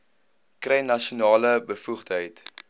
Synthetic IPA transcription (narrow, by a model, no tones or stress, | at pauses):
krɛjnɐʃiunɑːləbəfuχtɦəjt